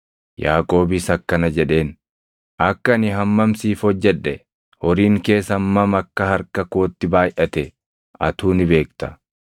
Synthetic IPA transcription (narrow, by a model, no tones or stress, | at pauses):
jaːkʼo̞ːbɪsɐkːɐnɐd͡ʒɛᶑe̞ːn | ʔɐkːɐnɪɦɐmːɐmsiːfhɔd͡ʒːɛᶑɛ | hɔɾiːŋke̞ːsɐmːɐmɐkːɐhɐɾkɐko̞ːt̪ːɪbaːjʔɐt̪ɛ | ɐ̰t̪uːnɪbe̞ːkt̪ɐ̥